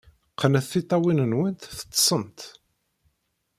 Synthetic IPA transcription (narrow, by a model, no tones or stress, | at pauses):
qːənæθːit̪ˤːɑwinənwənt̪θə̥t͡s̪ːsˤənt̪